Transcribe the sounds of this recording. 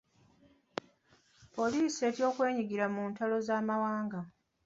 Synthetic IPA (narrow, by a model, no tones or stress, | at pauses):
po̞liːsie̞ːtjo̞ːkwe̞ːɲiɡiɾamuːntalo̞zaːmawaːŋɡa